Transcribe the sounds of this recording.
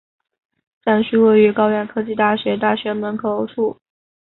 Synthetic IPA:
ʈ͡ʂa˥˩nɕy˥˧we˥˩ɪy˧˥kɑ˥ʊɥɛ˥˩nkʰɤ˥t͡ɕi˥˧t̪a˥˩ɕɥɛ˧˥t̪a˥˩ɕɥɛ˧˥mə˧˥nkʰɤ˨˧˩o˧˥ʊʈ͡ʂʰu˥˩

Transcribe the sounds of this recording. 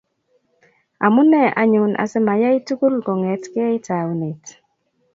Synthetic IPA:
a˨mu˦nɛ˦˨ʔa̰˨ɲʊ˨nʔa̰˨sɛ˦ma˨ja˦i˦tu˦ɡu˦lɡɔ˨ŋɛ˨tkɪ˦ɛ˦i˦ta˨u˦ne˨t

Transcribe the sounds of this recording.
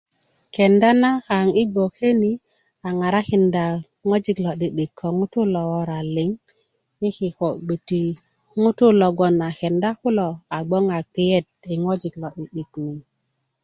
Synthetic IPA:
ke˨nda˦na˦ka˨ŋi˦ɡ͡bo˨ke˦ni˨ | a˨ŋa˨ɾa˦ki˨nda˨ | ŋo˦d͡ʒi˨klo˨ɗi˨ɗi˨kʰːo˨ŋu˦tu˦lo˨wo˦ɾa˨li˨˦ŋ | i˦ki˨ko˨ɡ͡bə˨ti˨ | ŋu˦tu˦lo˨ɡo˨na˨ke˨nda˦ku˦lo˨a˨ɡ͡bo˦ŋa˨k͡pi˦je˦d̚i˨ŋo˦d͡ʒi˨klo˨ɗi˨ɗi˨kni˨

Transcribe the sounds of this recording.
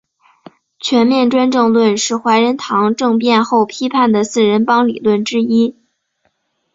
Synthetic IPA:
t͡ɕʰɥɛ˧˥nmjɛ˥˧nʈ͡ʂwa˥nʈ͡ʂɤ˥˧ŋlwə˥˧nʂɻ̩˥˩xwa˧˥ɪɻə˧˥nt̪ʰɑ˧˥ŋʈ͡ʂɤ˥˧ŋpjɛ˥˧nxo˥˩ʊpʰi˥pʰa˥˩nd̪ə˩sɹ̩˥˩ɻə˧˥npɑ˥ŋli˨˩lwə˥˩nʈ͡ʂɻ̩˥i˥

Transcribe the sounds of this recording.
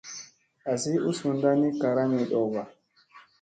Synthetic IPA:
ʔa˨si˦ʔu˦su˨nda˦ni˦ka˨ɾa˦mi˨ɗɔ˨ba˨

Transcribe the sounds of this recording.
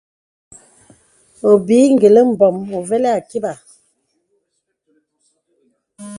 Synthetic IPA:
o˨bi˨˦ŋ̩˦˨ɡe˨lə˦m̩˨bɔ˨mo˨ve˦lɛ˦a˨ki˦ba˨

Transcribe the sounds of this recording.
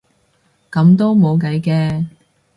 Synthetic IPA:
kɐ˨˧˥mt̪̬o˥wmo˨˧wkɐ˨˥jkɛː˧

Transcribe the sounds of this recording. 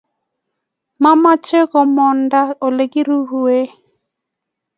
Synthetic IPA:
ma˦ma˦t͡ʃe˦kɔ˨mɔ˨nda˦o˨le˨ɡi˦ɾu˦ɦu˨e˦

